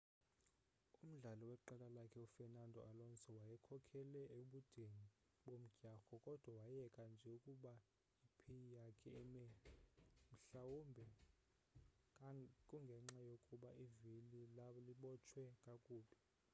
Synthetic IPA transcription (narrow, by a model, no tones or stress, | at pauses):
um̩ɮalɔwɛǃalalakʰɛufɛnandʱɔ̰alɔnt͡sʰʼɛwajɛkʰɔkʰɛlɛʔeɓud̥ʱeŋi | ɓom̩ɡ̥ʱaxɔkʼɔd̥ʱwawajɛkʼand͡ʒʱɛukʼuɓa | ipʰejijakʰɛmɛ | m̩ɬawumbʱɛ | kʼuŋɡʱɛŋ͡ǁajokʼuɓaʔivililaɔliɓɔt͡ʃʰwɛkʼakʼuːɓɛ